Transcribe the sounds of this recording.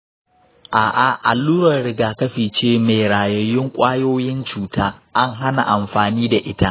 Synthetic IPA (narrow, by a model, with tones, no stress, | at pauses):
ʔaː˨ʔa˨ʔa˨lːuː˦ɾɐ˨rɽɪ˦ɡaː˨kɐ˦ɸiː˨t͡ʃeː˦˨me˨jɾaː˨jɐ˦jɪ˦ŋkʷʼaː˦joː˦jɪ˦nt͡ʃuː˨taː˦ʔa˦ŋɦa˦na̰˨ʔa˨mɸaː˨niː˦da˨ʔɪ˦ta˦ʔ